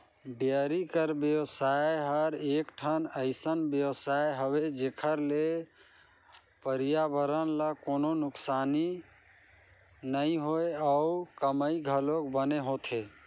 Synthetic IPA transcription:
ɖijəɾikəɾbjewsajeɦəɾekʈʰənəɪsənbjewsajɦəbed͡ʒekʰəɾle | pəɾijabəɾənləkononʊksani | nəiɦoeaukəməiɡʱəlok̚bəneɦot̪ʰe

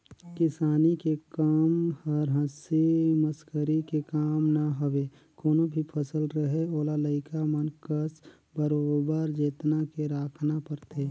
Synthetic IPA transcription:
kɪsaːnikekaːmhəɾɦə̃seməskəɾikekaːmnaɦəwe | koːnõbʱipʰəsəlɾəɦeoːlaləɪkʰamənkəs | bəɾoːbəɾd͡ʒeːt̪nakeɾaːkʰnapəɾt̪ʰeː

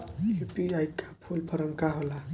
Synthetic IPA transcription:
jupiajkapʰulpʰəɾəmkaɦola

